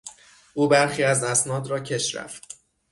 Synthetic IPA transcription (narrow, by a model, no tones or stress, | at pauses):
ʔuːbæɾxiːæzæsnɒːd̪ɾɒːcʰe̞ʃɾæ̰ft̪